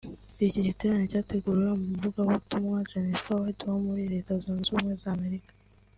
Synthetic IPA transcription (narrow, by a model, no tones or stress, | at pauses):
ciɟiteɾanecaːte̞ɡuɾiɾamumuvuɡaβutumŋat͡ʃanisfawatuwamuiɾe̞ːtazunzuːmŋe̞zaːme̞ɾikḁ